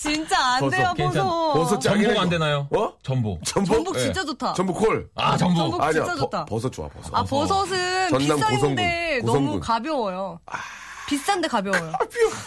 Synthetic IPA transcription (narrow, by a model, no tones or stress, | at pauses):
t͡ɕint͡ɕ͈aːndeopsʌpʌs̬ʰʌt͡ɕ͈aɡieɡandenajowʌt͡ɕʌmbut͡ɕʌmbumbukt͡ɕint͡ɕ͈ad͡ʑotʰat͡ɕʌnbukʰoɭaʌmubaɲia̰atʰapʌsʰʌt͡ɕ͈oa̰pʌsʰʌapʌsʰʌs̬ʰɯnʌndaŋ͈aosʰʌŋɡduenosʰʌmuṵkabjʌwʌjo | pist͈andekabjʌwʌjop